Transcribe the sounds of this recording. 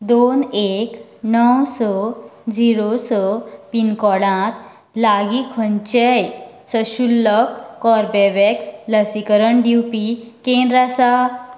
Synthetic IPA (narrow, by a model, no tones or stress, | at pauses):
d̪onek | nɔwsɔd͡ziɾosɔpinkɔɽãt̪ | laɡikʰəɲt͡ɕɛjsəɕulːɔkːɔɾbɛʋɛksləsikəɾəɳɖiwpi | kẽnd̪ɾasa